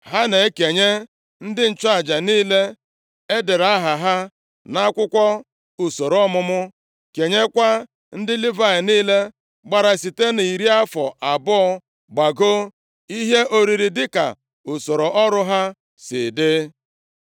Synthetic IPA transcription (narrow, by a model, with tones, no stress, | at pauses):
ɦa˦ne˨˦ke˨ɲe˦ | n̩˦dɪ˦n̩˨t͡ʃʊ˦a˨d͡ʒa˨niː˦le˦ | e˦de˨ɾa˦ɦa˨ɦa˦ | na˦kʷʊ˦kʷɔ˦ | u˨so˨ɾɔ˦mʊ˦mʊ˦ | ke˨ɲe˦kʷa˦ | n̩˦dɪ˦li˦va˦ɪ˨niː˦le˦ | ɡ͡ba˨ɾa˨si˨te˦ni˨i˨ɾi˦a˦fɔ˨ʔa˨bɔ˦ɔ˦ | ɡ͡ba˨ɡo˦ | i˦ɦe˦ʔo˨ɾi˨ɾi˨dɪ˦ka̰˨ | u˨so˨ɾo˨ʔɔ˦ɾʊ˦ɦa˦ | sɪ̰˨dɪ˦